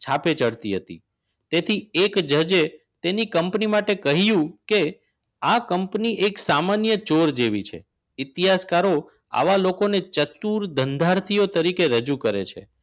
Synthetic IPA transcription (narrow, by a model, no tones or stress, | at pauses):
t͡ʃʰapet͡ʃəɽt̪iɦət̪ḭ | t̪et̪ʰiekd͡ʒəd͡ʒe | t̪enikəmpnimaʈekəɦijũke | akəmpniʔeksamanjət͡ʃoɾd͡ʒeʋit͡ʃʰḛ | ɪt̪iɦaskaɾo | a̰ʋalokonet͡ʃət̪uɾd̪ʱənd̪ʱaɾt̪ʰijot̪əɾikeɾəd͡ʒukəɾḛt͡ʃʰḛ